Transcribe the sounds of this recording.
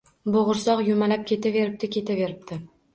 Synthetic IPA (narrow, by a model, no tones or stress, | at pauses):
boʁʊɾsɒqjʊmalap̚kʲe̞t̪ʰave̞ɾɪp̚t̪ɪkʲʰe̞t̪ʰave̞ɾɪp̚t̪ʰɪ